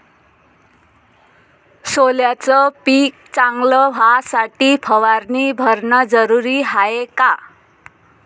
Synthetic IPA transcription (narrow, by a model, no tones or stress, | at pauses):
soljat͡sʌpik̚t͡saŋɡlʌbʱasaʈipʰʌwaɾnibʱʌɾnʌd͡zʌɾuɾiɦaeka